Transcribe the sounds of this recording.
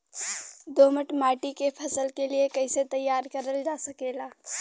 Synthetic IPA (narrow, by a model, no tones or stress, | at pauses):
d̪oːməʈmaːʈikepʰɐsəlkeliekəɪset̪əjːaːɾkəɾəld͡ʒaːsɐkeːlaː